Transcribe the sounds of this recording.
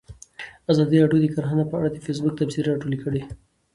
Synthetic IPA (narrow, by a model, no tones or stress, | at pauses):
azɑd̪iɾɑɖjod̪əkaɾxanapəa̰ɽad̪əfes̬bʊk̚t̪absiɾeaʈolikəɽe